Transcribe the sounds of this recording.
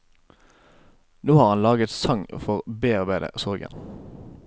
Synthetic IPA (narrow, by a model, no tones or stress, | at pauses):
noːhɑːʁhɑnlɑːɡət̪sɑŋfɔʁbeːɑʁbæɪd̪ə̰sɔʁɡə̰n